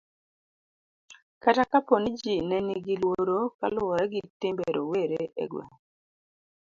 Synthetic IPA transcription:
katakaponid͡ʒinɛniɡilwoɾoka̰lʊɔɾaɡitɪmbeɾoweɾeḛɡwḛ

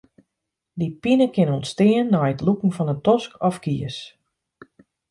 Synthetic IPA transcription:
dipinəkɪnɔntstɪːənːɔjətlukŋ̩fɔnətɔskɔfkiəs

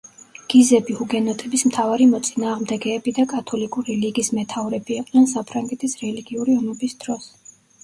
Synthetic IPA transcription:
ɡ̥izɛbihuɡɛnɔt̪ʼɛbismt̪ʰavaɾimɔt̪sʼinaːʁmd̪ɛɡɛːbid̪akʼat̪ʰɔlikʼuɾiliɡismɛt̪ʰavɾɛbiɛqʼd̪ɛnsapʰɾaŋɡɛt̪ʰisɾɛliɡiuɾiɔmɔbisd̪̥ɾɔs

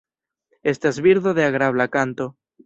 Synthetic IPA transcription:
est̪azβiɾðoðeaɣɾaβlakant̪o

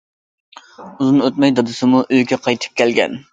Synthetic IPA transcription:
uzɨnøt̪mɛjd̪ɑd̪ɨsɨmuʔøjɡʲɛqʰɑjt̪ʰɨ̥p̚kʲælɡʲɛ̰n

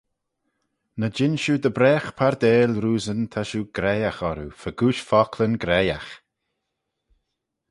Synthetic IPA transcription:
nəd͡ʒɪnʃud̪əbɾɛːxpʰaɹd̪ɛːlɾuːzənt̪ʰaʃuɡ̥ɾɛjaxɔɾufəɡuːʃfɔkʰlənɡɾɛja̰x

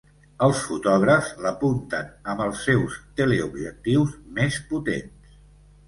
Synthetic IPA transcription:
əlˠsfut̪ɔɣɾəfzləpunt̪ənəmbəlˠsːɛwst̪eleubʒək̚t̪iwzmesput̪ḛns

